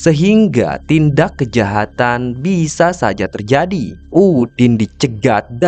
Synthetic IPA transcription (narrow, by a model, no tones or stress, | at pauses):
səɦiŋɡa̰t̪indakːəd͡ʒaɦat̪anbisasa̰d͡ʒat̪ərd͡ʒadiʔudɪndit͡ʃəɡat̪̚da